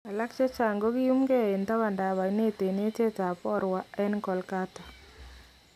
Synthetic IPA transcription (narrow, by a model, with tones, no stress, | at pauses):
a˨la˦kt͡ʃe˦t͡ʃa˨ŋɡo˦ki˦u˦mɡɛ˦˨e˨nta˦βa˨nda˨βa˨˦ne˦te˨ne˦te˦ta˨pɔ˦ɾwa˨ɛ˦nkɔ˨lka˦ta˨